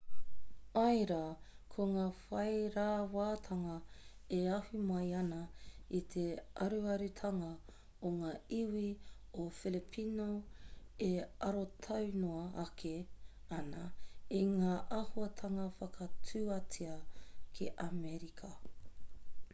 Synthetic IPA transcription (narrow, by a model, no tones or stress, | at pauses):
ɐjɾɐkʰoŋaːfɐjɾaːwaːt̪ʰɐŋɐeɐhumɐjɐnɐit̪ʰeɐ̰ɾuɐɾʉt̪ʰɐŋɐ | oŋaːiwi | ofilipʰino | eɐɾot̪ʰɐwnoɐɐkʰe | ɐnɐiŋaːʔɐhuɐtʰɐŋɐfɐkʰɐtʰʉːɐtiɐkʰiʔameɾikʰɐ